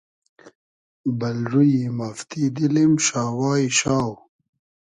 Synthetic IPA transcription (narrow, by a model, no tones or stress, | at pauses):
bɐlɾujimaft̪id̪ilimʃaːwaːiɕaːw